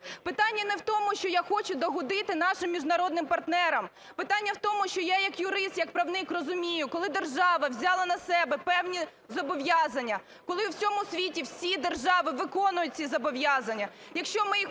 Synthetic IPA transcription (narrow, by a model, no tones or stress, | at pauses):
pɪt̪ɑnʲːɐnɛwt̪ɔmʊʃt͡ʃɔjaxɔt͡ʃʊd̪ɔɦʊd̪ɪt̪ɪnɑʃɪmːʲiʒnɐɾɔd̪nɪmpɐrt̪nɛɾɐm | pɪt̪ɑnʲːɐwt̪ɔmʊʃt͡ʃɔjajɐkjʊɾɪst̪jɐk̚pɾɐwnɪkrɔzʊmʲijʊkɔlˠɪd̪erʒɑʋɐwzʲɑlˠɐnɐsɛbɛpɛwnʲi | zɔbɔʋjɑzɐnʲːɐ | kɔlˠɪwsʲɔmʊsʲʋʲitʲiwsʲid̪erʒɑʋɪʋɪkɔnʊjʊt̚ʲt͡sʲizɐbɔʋjɑzɐnʲːɐ | jɐkʃt͡ʃɔmɪj